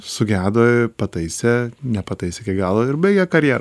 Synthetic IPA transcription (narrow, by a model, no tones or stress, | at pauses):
sʊɡʲæːd̪oːɪpɐt̪ɐɪsʲɛnʲɛpɐt̪ɐɪsʲɛkʲɛɪkɡɑːlˠoːɪɾbɐɪɡʲɛkɐɾʲjɛːɾ